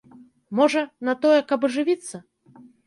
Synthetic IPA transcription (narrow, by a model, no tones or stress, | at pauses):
mɔʐɐnɐt̪ɔjɛkɐbɐʐɨvʲit̪sːɐ